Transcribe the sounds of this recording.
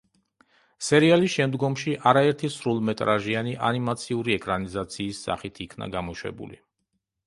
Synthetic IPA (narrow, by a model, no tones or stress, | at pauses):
sɛɾialisʃɛmd̪ɡɔmʃiʔaɾaɛɾt̪ʰisɾulˠmɛt̪ʼɾaʒianiʔanimat̪sʰiuɾiɛkʼɾanizat̪sʰiːsːa̰χit̪ʰikʰna̰ɡamɔʃwɛ̰bṵlḭ